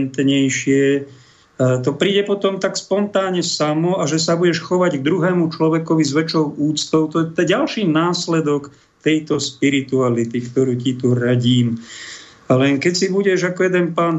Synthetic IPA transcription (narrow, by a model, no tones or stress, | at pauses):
nt̪ɲɛjʃɪɛ | t̪ɔpɾiːɟɛpɔt̪ɔmt̪akspɔnt̪aːɲɛsamɔaʒɛsabuɟɛʃxɔʋaɟɡ̚d̪ɾuɦɛːmut͡ʃlɔʋɛkɔʋizʋɛt͡ʃɔʊuːt͡st̪ɔʊt̪ɔjɛt̪ɛɟalʃiːnaːslɛd̪ɔk | t̪ɛjt̪ɔspiɾit̪ualit̪ikt̪ɔɾuːcit̪uɾaɟiːm | alɛnkɛcsibuɟɛʒakɔjɛd̪ɛnpaːn